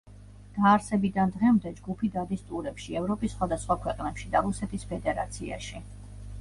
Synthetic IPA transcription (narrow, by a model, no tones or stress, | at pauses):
d̪̥aːɾsɛbid̪and̪ʁɛmd̪ɛd͡ʒɡupʰid̪ad̪ist̪ʼuɾɛpʃiɛvɾɔpʼisːχwad̪asχwakʰwɛqʼnɛpʃid̪aɾusɛt̪ʰispʰɛd̪ɛɾa̰t̪sʰia̰ʃi